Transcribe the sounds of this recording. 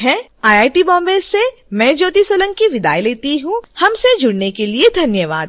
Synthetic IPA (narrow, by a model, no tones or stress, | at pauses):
ɦɛ̃ː | aːjaːiʈibɔ̃ːmbeːzːemɛ̃ːd͡ʒoːt̪isoːlə̃ŋkiʋɪd̪a̰ːjileːt̪iɦũhɐmsed͡ʒʊɽnekelied̪ʱɐnjəʋa̰ːd̪̚